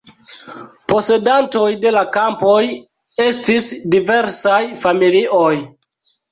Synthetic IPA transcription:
po̞se̞danto̞jde̞lakampoj | e̞stisdive̞ɾsajfamiliʔo̞j

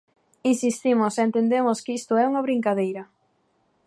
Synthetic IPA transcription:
insist̪imʊsent̪end̪emʊskist̪ʊɛuŋɐβ̞ɾiŋkaðejɾɐ

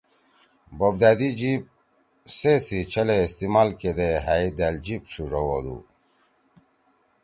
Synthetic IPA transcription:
bob̚d̪ad̪id͡ʑip̚ | sesit͡ɕʰɐleːst̪imaːlked̪eɦajd̪ald͡ʑipʂuʐowod̪ṵ

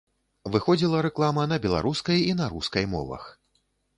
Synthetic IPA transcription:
vɨxɔd͡zʲilˠɐɾɛklˠamɐnɐbʲɛlˠa̰ɾuskɐjinɐɾuskɐjmɔ̰vɐ̰x

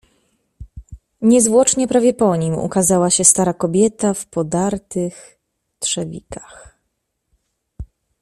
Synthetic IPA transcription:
ɲɛzvwɔt͡ʂɲɛpɾavʲjɛpɔɲimṵkazawaɕɛst̪aɾakɔbʲjɛt̪afpɔd̪aɾt̪ɘx | t̪ʂɛvʲḭkḁx

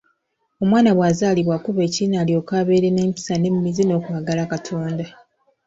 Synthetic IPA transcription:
o̞mwaːnaβwaːzaːliβwakuβe̞ːciinaːlio̞kaːβe̞ːɾene̞ːmpi̥sane̞mimizino̞ːkwaɡalakatʰoːnda

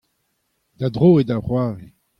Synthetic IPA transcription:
d̪̥ad̪ʁoːed̪aʁwaːʁe

